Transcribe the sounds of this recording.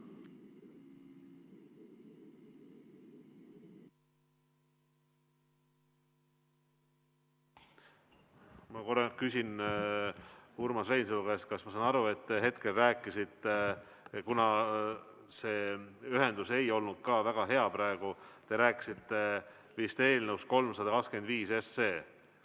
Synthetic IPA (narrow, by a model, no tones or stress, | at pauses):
mɑkokysʲin | uɾmɑsvejns̬elukest̪̚kɑsmɑsɑːnɑɾue̞t̪ːeɦe̞t̪ke̞lræːkːˑisit̪ːe | kunɑ | se̞ːyɦe̞nd̪̥use̞jo̞lnud̪̥̚kɑːvæɡ̥ɑɦe̞ɑpɾɑeɡ̥ut̪e̞ɾæːkːˑi̥sit̪ːe̞ | vist̪ee̞ːlneusko̞lmsɑd̪̥ɑkɑkskend̪viːse̞sːe̞ː